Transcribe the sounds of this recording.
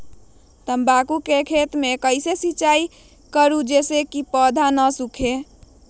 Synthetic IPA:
t̪əmbakukekʰet̪mekəɪsesit͡ʃai | kəɾud͡ʒesekipəd̪ʱanəsukʰe

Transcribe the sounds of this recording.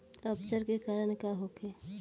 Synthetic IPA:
əpsəɾkekaːɾəɽ̃kaɦoːke

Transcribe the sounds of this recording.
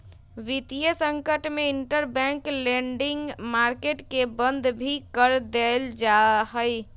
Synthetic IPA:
ʋit̪ijəsəŋkəʈmeiɳʈəɾbɛ̃ŋkleɳɖiŋɡmaɾkeʈkebənd̪ʱbʱikəɾd̪eld͡ʒaɦəj

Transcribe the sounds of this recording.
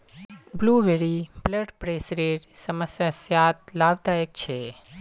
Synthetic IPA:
bluʋeɾibləʈpɾesɾeʈsəməsjasjat̪̚laʋd̪ajək̚t͡ʃʰe

